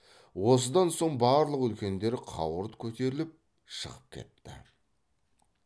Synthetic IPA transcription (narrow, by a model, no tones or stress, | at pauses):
wo̞s̬əd̪ɑnso̞ɴbɑɾlˠəqʏlkʲe̞nd̪e̞ɾɪqʰɑ̰wəɾt̪kʲʰɵt̪e̞ɾɪlɪp̚ | ʃə̰ʁəp̚kʲʰe̞̰t̪ːɪ̰